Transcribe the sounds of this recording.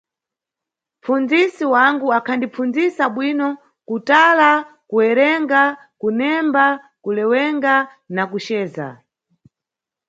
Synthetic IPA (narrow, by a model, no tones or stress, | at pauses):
mp͡fund͡zisiwaŋɡuakʰandip͡funzisaɓwinɔ | kutala | kuɛɾɛŋɡa | kunɛmba | kulɛwɛŋɡa | nakut͡ʃɛːza̰